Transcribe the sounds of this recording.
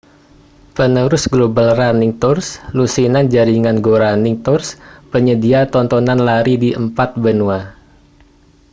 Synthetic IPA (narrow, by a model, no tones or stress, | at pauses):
pənuɾʊsɡlobalraniŋt̪ɔrslusinand͡ʒaɾiŋanɡoɾaniŋt̪ɔrspəɲədiat̪ɔnt̪ɔnanlaɾidiʔəmpat̪̚bənua